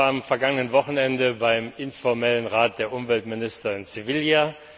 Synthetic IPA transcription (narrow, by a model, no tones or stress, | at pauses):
amfɛɐɡaŋənənvɔχn̩ɛndəbaɪmɪnfɔɐmɛlənʁaːt̚d̥eːɐʔʊmvɛltmɪnɪstɐɪnt͡sɪvɪlja